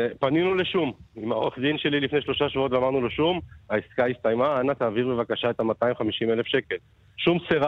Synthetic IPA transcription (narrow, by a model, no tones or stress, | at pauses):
paninuleʃumimaoʁeχd̪inʃe̞lilifneʃlo̞ʃaʃvuo̞t̪veamaʁnuloʃumaiskaist̪ajmaanat̪aːviʁbe̞vakaʃaet̪amat̪aimχamiʃime̞lefʃe̞ke̞l | ʃumseʁa